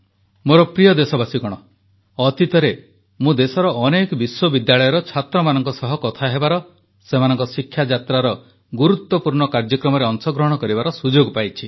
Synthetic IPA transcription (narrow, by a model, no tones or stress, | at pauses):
moɾɔpɾijɔd̪esɔbasikɔɽ̃ɔ | ɔt̪it̪ɔɾe | mũd̪esɔɾɔʔɔnekɔbiswɔbid̪jaɭɔjɔɾɔt͡ʃʰat̪ɾɔmanɔŋkɔsɔɦɔkɔt̪ʰaɦebaɾɔ | semanɔŋkɔsikʰːjad͡ʒat̪ɾaɾɔ | ɡuɾut̪wɔpuɾɳɔkaɾd͡ʒɔkɾɔmɔɾeɔŋsɔɡɾɔɦɔɽ̃ɔkɔɾibaɾɔsud͡ʒoɡpajt͡ʃʰi